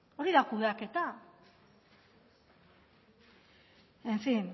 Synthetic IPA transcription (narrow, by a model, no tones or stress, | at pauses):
o̞ɾiðakuβeake̞t̪a | enfin